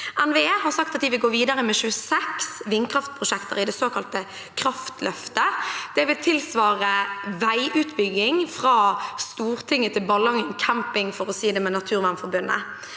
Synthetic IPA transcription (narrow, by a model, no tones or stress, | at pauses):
ænʋehɑʁsɑk̚t̪ɑt̪̚d̪ɪʋɪɡoːʋiːd̪ɑʁəmɛʃʉːəsɛksʋɪnkʰʁɑft̪̚pʰʁʊʃɛkt̪ə̰ʁɪd̪ɛsoːkʰɑlt̪ə | kʰɾɑft̪lœft̪əd̪̥ɛʋɪlt̪ʰɪlsʋɑːʁəʋæɪʔʉːt̪bʏɡːɪŋfʁɑːst̪uːɾt̪ʰɪŋːət̪ʰɪlbɑlɑŋəŋkʰæmpɪŋfɔɾɔsiːd̪ɛmɛnɑt̪ʰʉːʁʋænfɔɾbʉnːə̰